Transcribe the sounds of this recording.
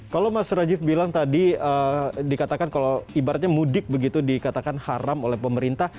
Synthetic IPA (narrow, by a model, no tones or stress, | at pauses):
kalowmasɾad͡ʒɪfbilaŋt̪adiədikat̪akankaloibaɾat̪̚ɲamudɪk̚bəɡit̪udikat̪akanhaɾamolɛhpəməɾint̪ah